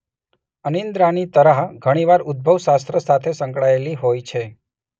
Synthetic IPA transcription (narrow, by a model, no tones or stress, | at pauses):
ənind̪ɾanit̪əɾaɦɡʱəɽ̃iʋaɾʊd̪̚bʱəʋʃast̪ɾəsat̪ʰesə̃ŋkɭaeliɦojt͡ʃʰe